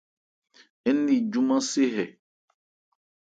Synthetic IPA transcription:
ɛ˦nː˦i˨d͡ʒu˦mã˦se˦ɦɛ˨

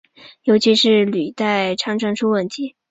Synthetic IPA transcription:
jo˧˥ʊt͡ɕʰi˧˥ʂɻ̩˥˩ly˨˩t̪a˥˩ɪʈ͡ʂʰɑ˧˥ŋʈ͡ʂʰɑ˥ŋʈ͡ʂʰu˥wə˥˩nt̪ʰi˧˥˦

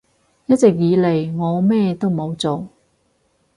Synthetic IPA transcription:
jɐ˥t̚t͡sɪ˨k̚jiː˨˧le˨˩jŋɔː˨˧mɛː˥t̪o˥wmo˨˧wt͡so˨w

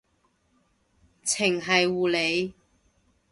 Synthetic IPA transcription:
t͡sʰɪ˨˩ŋɦɐ˨jwuː˨le˨˧j

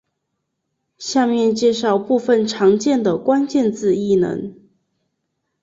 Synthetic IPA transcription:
ɕja˥˧mjɛ˥˧nt͡ɕjɛ˥˧ʂɑ˥˧ʊpu˥˧fə˨˩nʈ͡ʂʰɑ˧˥ŋt͡ɕjɛ˥˩nd̪ə˩kwa˥nt͡ɕjɛ˥˧nt͡sɹ̩˥˧i˥˩nə̰˧˥n

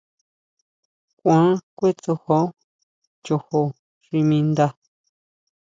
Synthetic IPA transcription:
kʷã˨˦kʷe˦t͡so˧ho˦ | t͡ʃo˧ho˧ | ʐ̥i˧mĩ˧nd̪a˧

